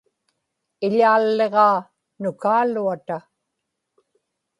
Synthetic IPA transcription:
ɪʎaːlːeʁɑː | nʊkaːluat̪a

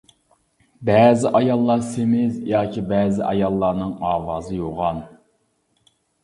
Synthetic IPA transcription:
bɛːzɪʔɑjɑlˠːɑɾsemɪzjɑːkʰʲibɛːzɪʔɑ̰jɑlˠːɑɾnɨŋɑːwɑːzɨjoʁɑn

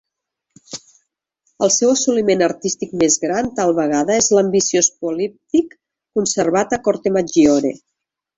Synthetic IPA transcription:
əlˠsɛwəsulimenəɾt̪ist̪ik̚mezɣɾant̪alˠβəɣ̞aðəezləmbisiospulip̚t̪ikː | unsəɾβat̪əkɔɾt̪emad͡ʒiɔɾḛ

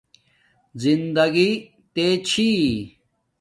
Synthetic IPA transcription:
zind̪ɐɡi | t̪et͡ɕʰi

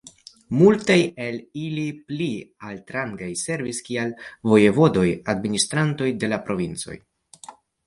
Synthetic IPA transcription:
multaje̞liliplialtɾaŋɡajse̞ɾviskialvo̞je̞vo̞do̞jadministɾanto̞jde̞lapɾo̞vint͡so̞̰j

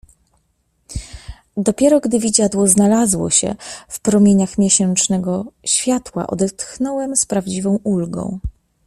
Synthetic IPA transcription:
d̪ɔpʲjɛɾɔɡd̪ɘvʲid͡ʑad̪wɔznalazwɔ̰ɕɛ̰fpɾɔmʲjeɲaxmʲjɛɕɛnt͡ʂnɛɡɔɕfʲjat̪wa̰ʔɔ̰d̪ɛt̪xnɔwɛmspɾavd͡ʑivɔ̃w̃ʔulɡɔ̰̃w̃

